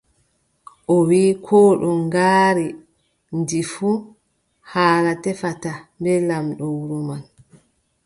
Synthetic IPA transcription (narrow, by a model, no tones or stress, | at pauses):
ʔɔwiːkʰɔːɗɔŋɡaːɾi | ndifu | haːlatɛfatambɛlamɗɔwɾuman